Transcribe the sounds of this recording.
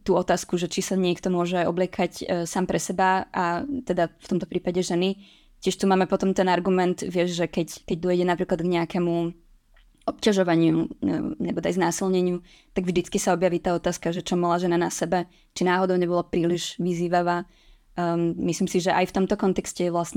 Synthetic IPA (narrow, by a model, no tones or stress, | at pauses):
t̪uːɔt̪aːskuʒɛt͡ʃisaɲɪɛkt̪ɔmʊɔʒɛajɔ̰blɪɛkʰacsaːmpɾɛsɛbaʔat̪ɛd̪aft̪ɔmt̪ɔ̥pɾiːpaɟɛʒɛni | cɪɛʃt̪umaːmɛpɔt̪ɔmt̪ɛnaɾɡumɛnt̪ʋɪɛʒʒɛkɛckɛɟd̪ɔjɟɛnapɾiːklad̪ɡɲɛakɛmu | ɔpcaʒɔʋaɲɪunɛbɔd̪ajznaːsilɲɛɲɪu | t̪aɡvʒd̪it͡skisaɔbjaʋiːt̪aːɔt̪aːskaʒɛt͡ʃɔmɔlaʒɛnanasɛbɛ | t͡ʃinaːɦɔd̪ɔʊɲɛbɔlapɾiːliʒʋiziːʋaʋaː | misliːmsiʒɛʔajft̪ɔmt̪ɔkɔnt̪ɛkscɛjɛʋlasɲɛ